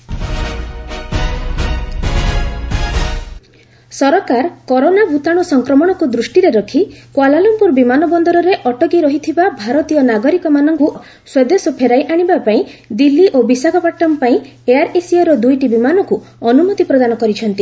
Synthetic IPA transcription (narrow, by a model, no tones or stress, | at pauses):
sɔɾɔkaɾkɔɾonabʱut̪aɽ̃usɔŋkɾɔmɔɽ̃ɔkud̪ɾusʈiɾeɾɔkʰikwalalumpuɾbimanɔbɔnd̪ɔɾɔɾeʔɔʈɔɡiɾɔɦit̪ʰibabʱaɾɔt̪ijɔnaɡɔɾikɔmanɔŋku | swed̪esɔpʰeɾajʔaɽ̃ibapaĩd̪ilːiʔobisaɡɔpaʈːɔmpaĩ | eaɾesiɔɾɔd̪ujʈibimanɔkuɔnumɔt̪ipɾɔd̪anɔkɔɾit͡ʃʰɔnt̪i